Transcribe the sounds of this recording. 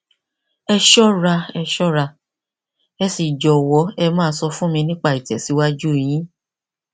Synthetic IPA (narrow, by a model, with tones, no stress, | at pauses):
ɛ˧ʃɔ˦ɾa˧ɛ˧ʃɔ˦ɾa˧ | ɛ˧si˨d͡ʒɔ˨wɔ˨˦ɛ˧mãː˦˨˧sɔ˧fũ˦mĩ˧nĩ˦k͡pa˦˨i˨tɛ˨si˨˦wa˦d͡ʒu˦˨j̃ĩ˨˦